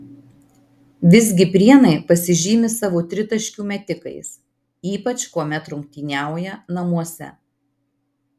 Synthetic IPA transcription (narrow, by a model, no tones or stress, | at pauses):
ʋʲɪzʲɡʲɪpʲɾʲiɛnɐɪpɐsʲɪʒʲiːmʲɪsɑːʋoːt̪ʲɾʲɪt̪ɐʃʲkʲuːmʲɛt̪ʲɪkɐ̰ɪs | iːpɐt͡ʃkuɔmʲɛt̪ɾʊŋʲk̚t̪ʲinʲæˑʊjɛnɐmuɔsʲɛ̰